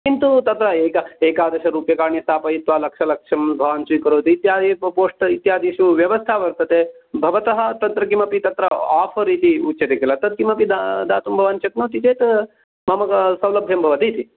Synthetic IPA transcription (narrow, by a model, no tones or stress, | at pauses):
kint̪ut̪ɐt̪ɾɐeːkɐeːkaːd̪ɐʃɐɾuːpjɐkaːɾɳist̪ʰaːpɐjit̪ʋaːlɐkʂɐlɐkʂɐmbʱɐʋaːnt͡ʃuikɐɾoːt̪iːt̪jaːd̪ipoːʂʈɐit̪jaːd̪ʱiʃuʋjɐʋɐst̪ʰaʋɐɾt̪ɐt̪ebʱɐʋɐt̪ɐɦɐt̪ɐnt̪ɾɐkimɐpit̪ɐt̪ɾɐaːpʰɐɾit̪iut͡ʃːt͡ʃɐt̪ekilɐt̪ɐt̪̚kimɐpid̪ad̪aːt̪umbʱɐʋaːnt͡ʃɐknoːt̪it͡ʃeːt̪ | mɐmɐkɐsɐwlɐbʱjɐmbʱɐʋɐt̪it̪i